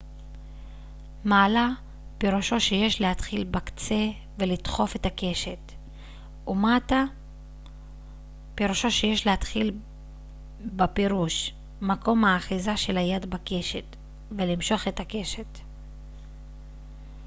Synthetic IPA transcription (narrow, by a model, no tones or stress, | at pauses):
maːla | peʁuʃo̞ʃeje̞ʃlehat̪χilbakt͡se̞ | velit̪χo̞fe̞t̪ake̞ʃe̞t̪ | umat̪a | peʁuʃo̞ʃe̞je̞ʃleat̪χil | bapeʁuʃ | mako̞mhaːχizaʃe̞lajad̪bake̞ʃet̪ | velimʃo̞χet̪ake̞ʃe̞t̪